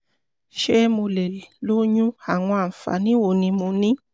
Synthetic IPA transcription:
ʃe˦mõ˧le˨lo˦ɲũ˦a˨w̃ɔ̃˧a˨m̩˨fa̰˨nĩ˦wo˨nĩ˧mũ˧nĩ˦

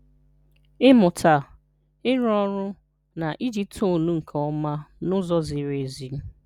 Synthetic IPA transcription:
ɪ˦mʊ˨tʰa˨ | ɪ˦ɾɔ˦ɾʊ˦ | na˨ʔi˦d͡ʒi˦p̚tʰo˦˨nu˦ŋ̩˨kʰɔ˦ma˦nʊ˦zɔ˦zɪ˨ɾe˨zi˨m̩˦

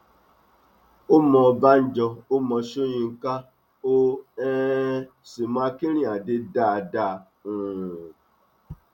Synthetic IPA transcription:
o˦mɔ̃˧ba˦n̩˦d͡ʒɔ˧o˦mɔ̃˧ʃo˦jĩ˧ŋ̩˦ka˦ | o˦ɛ˦ | si˨m˦˨a˧ki˦ɾ̃ĩ˦˨a˨de˧da˦˨da˧˨ | ũ˨

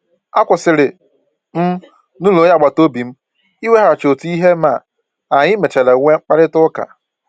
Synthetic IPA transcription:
a˦kʷʊ˨sɪ˨ɾɪ˨ | m̩˦ | nu˦lo˨˦ja˦˨ɡ͡ba˨to˦bi˨m̩˦ | i˦we˦ɦa˨ɾa˨t͡ʃo˨tu˦i˦ɦe˦ma˨ | a˨ɲɪ˦me˨t͡ʃe˨le˨˦ŋʷe˦ŋ͡m̩˦k͡pa˦ɾɪ˦tʊ˦ka̰˨

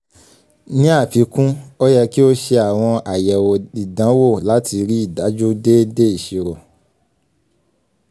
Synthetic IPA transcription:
nĩ˦a˦˨fi˨˦kũ˦o˦jɛ˧ki˦o˦ʃe˧a˨w̃ɔ̃˧a˨jɛ˨wo˨i˨dã˨˦wo˦˨la˨˦ti˧ɾi˦i˦˨da˨˦d͡ʒu˦de˦de˦i˦˨ʃi˨˧ɾo˨

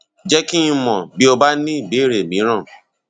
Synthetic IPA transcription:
d͡ʒɛ˦ki˦ĩ˧mɔ̃˨bi˦o˧ba˦nĩ˦˨be˨˦˨ɾe˨mĩ˨˦ɾ̃ã˦˨

